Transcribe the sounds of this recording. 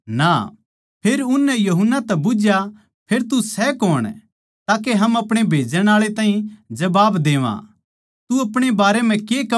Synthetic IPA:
na̰ː | pʰeːɾʊnːɛjɐɦʊnːat̪ɛbʊd͡ʒja | pʰeːɾt̪usɛkoːɽ̃ | t̪aːkeɦɐmɐpɽ̃ebʱeːd͡ʒəɽ̃aːɭet̪aːĩd͡ʒɐbaːbd̪eːʋã̰ | t̪uɐpɽ̃ebaːɾem̤ɛ̃keːkɐ

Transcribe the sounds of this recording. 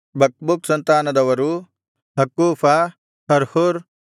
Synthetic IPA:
bʱɐk̚buksɐnt̪aːnɐd̪ɐʋɐɾu | ɦɐkːuːfʰɐ | hɐɾhuɾ

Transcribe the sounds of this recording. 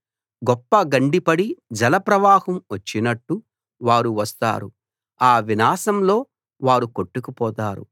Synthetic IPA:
ɡɔpːɐɡɐɳɖipɐɽid͡ʒɐlɐpɾɐʋaːhɐmʋɐt͡ʃːinɐʈːu | ʋaːɾuʋɐst̪a̰ːɾu | aːʋinaːsɐmlo̞ː | ʋaːɾukoʈːukupɔːt̪aːɾṵ

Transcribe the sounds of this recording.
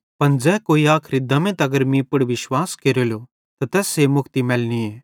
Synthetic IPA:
pɐnd͡zɛːkoːiaːkʰɾid̪ɐmẽt̪ɐɡəɾmĩpʊɽʋɪʃwaːskeːɾoːljo | t̪at̪ɛːsemʊkʰt̪imɛːlnieː

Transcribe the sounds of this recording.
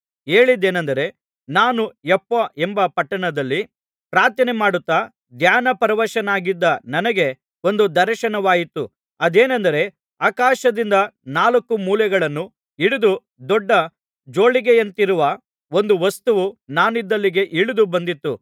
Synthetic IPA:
eːɭid̪eːnɐnd̪ɐɾe̞ | naːnuɛpːɐʔembɐpɐʈːɐɳɐd̪ɐlːi | pɾaːɾt̪ɐnemaːɽut̪ːaː | d̪jaːnɐpɐɾɐʋɐʃɐnaːɡid̪ːɐnɐnɐɡe̞ | o̞nd̪ud̪ɐɾɐʃɐnɐʋaːjit̪ːu | ɐd̪eːnɐnd̪ɐɾe̞ | aːkaːʃɐd̪ind̪ɐnaːlɐkːumuːljɐɡɐɭɐnːu | iɽud̪u | d̪ɔɖːɐ | d͡ʒo̞ːɭiɡejɐnt̪iɾuʋɐ | o̞nd̪uʋɐst̪uʋunaːnid̪ːɐlːiɡe̞ʔiɭud̪ubɐnd̪it̪ːṵ

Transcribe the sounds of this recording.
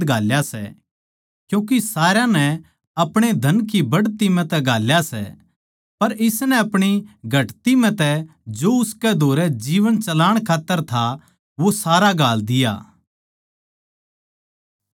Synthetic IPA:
ɡʱaːljasɛ̰ | kjũːk̬isaːɾjãnɛ | ɐpɽ̃ed̪ʱɐnkibɐɽt̪imɛ̃t̪ɛɡʱaːljasɛ̰ | pɐɾɪsnɛɐpɽ̃iɡʱɐʈt̪im̤ɛ̃t̪ɛ | d͡ʒoːʊskɛd̪ʱoːɾɛd͡ʒiːʋənt͡ʃɐlaːɽ̃kʰaːt̪ːəɾt̪ʰa | ʋosaːɾaɡʱaːld̪ɪja̰ː

